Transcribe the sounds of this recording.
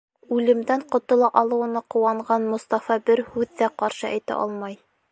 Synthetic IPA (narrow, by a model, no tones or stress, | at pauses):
ʉlɘ̆md̪æɴqŏt̪ŏlˠɑʔɑlˠɤ̆wɤ̆nɑqŭwɑɴʁɑnmŏst̪ɑfɑbɘɾhʉðːæqɑɾʃɤʔæjt̪æ̰ʔɑ̰lˠmɑj